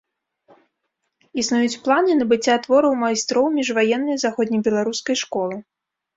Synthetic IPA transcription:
isnujut͡sʲplˠanɨnɐbɨt͡sʲːat̪vɔɾɐwmajst̪ɾɔwmʲiʐvajɛnːɐjzaxɔd̪ʲnʲɐjbʲɛlˠaɾuskɐjʂkɔlˠɨ

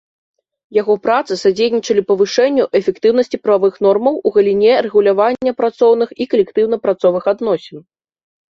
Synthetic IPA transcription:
jaɣɔpɾat̪sɨsad͡zʲejnʲit͡ʂɐlʲipɐvɨʂɛnʲːuʔɛfʲɛkt̪ɨwnɐsʲt͡sʲipɾɐvavɨxnɔrmɐwuɣɐlʲinʲɛrɛɣulʲavanʲːɐpɾat̪sɔwnɨxikɐlʲɛkt̪ɨwnɐpɾat̪sɔvɨxad̪nɔsʲɛn

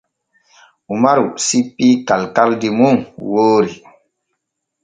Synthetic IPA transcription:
umaɾusipːikalkaldimuŋwoːɾi

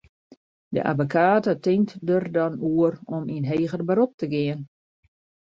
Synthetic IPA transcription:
də̰ʔa̰vokʰaːtətɪŋtdərdɔnuərɔminɦeːɣərbəɾop̚təɡɪən

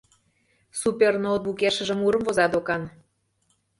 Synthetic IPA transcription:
supʲernot̪̚βukeʃə̆ʒə̆muɾə̆mvozɑd̪okɑn

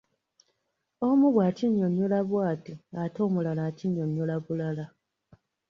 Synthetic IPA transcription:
omuβwaːciɲːoɲjulaβwaːtiato̞ːmulalaciɲːoɲjulaβulala

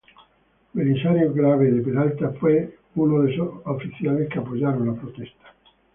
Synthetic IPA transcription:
melinsaɾjoɡɾaved̪epedalt̪apwe | unoðesoafiθialment̪eapːod͡ʒaɾolapɾot̪ɛst̪ḁ

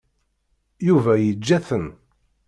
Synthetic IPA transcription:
juvæjəd͡ʒːæθən

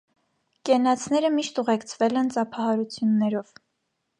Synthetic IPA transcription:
kɛnɑt͡sʰnɛɾəmiʃt̪uʁɛkt͡sʰvɛlɛnt͡sɑpʰɑhɑɾut͡sʰjunːɛɾɔv̥

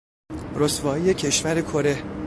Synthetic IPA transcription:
ɾost̪vɒːijecʰe̞ʃvæɾe̞kʰoɾe̞h

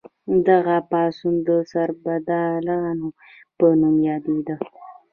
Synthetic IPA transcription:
d̪aɣapɑsund̪əsaɾbad̪ɑlɑno | pənumjɑd̪ed̪ə

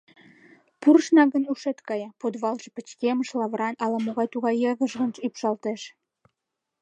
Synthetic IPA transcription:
purʃnɑɣənuʃet̪kɑjɑpod̪βɑlʒĕpət͡ɕkeməʃlɑβɾɑnɑlɑmoɣɑjt̪uɣɑjːɑɣəʒɣənʃypʃɑlt̪eʃ

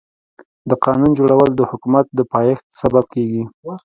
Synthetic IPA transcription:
d̪əqɑnund͡ʒoɽawəld̪əhʊkumat̪̚d̪əpɑjext̪̚sabab̚keɡi

